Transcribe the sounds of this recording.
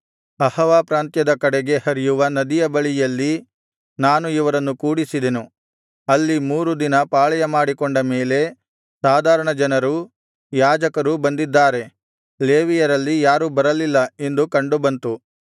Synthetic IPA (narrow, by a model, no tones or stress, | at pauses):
ɐhɐʋaːpɾaːnt̪jɐd̪ɐkɐɽeɡe̞hɐɾijuʋɐnɐd̪ijɐbɐɭijɐlːi | naːnuiʋɐɾɐnːukuːɽisid̪enu | ɐlːimuːɾud̪inɐpaːɭɐjɐmaːɽikoɳɖɐme̞ːle̞ | saːd̪ʱaːɾɐɳɐd͡ʒɐnɐɾu | jaːd͡ʒɐkɐɾubɐnd̪id̪ːaːɾe̞ | leːʋijɐɾɐlːijaːɾubɐɾɐlilːɐend̪ukɐɳɖubɐnt̪u